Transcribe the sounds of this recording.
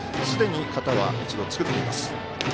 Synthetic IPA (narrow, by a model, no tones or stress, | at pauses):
sɨd̪e̞ɲ̟ikat̪aβ̞a̰it͡ɕid̪o̞t͡sɨ̥kɯ̟t̪ːe̞ima̰sɨ̥